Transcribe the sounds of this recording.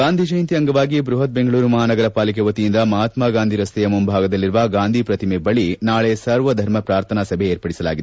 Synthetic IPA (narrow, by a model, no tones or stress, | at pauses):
ɡaːnd̪ʱid͡ʒɐjnt̪iɐŋɡɐʋaːɡibɾuɦɐt̪̚beŋɡɐɭuːɾumɐɦaːnɐɡɐɾɐpaːlik̬eʋɐt̪ijind̪ɐmɐɦaːt̪maɡaːnd̪ʱiɾɐst̪ɛjɐmumbʱaːɡɐd̪ɐlːiɾʋɐɡaːnd̪ʱipɾɐt̪imebɐɭinaːɭesɐɾʋɐd̪ʱɐɾmɐpɾaːɾt̪ʰɐnasɐbʱeeːɾpɐɽisɐlaːɡid̪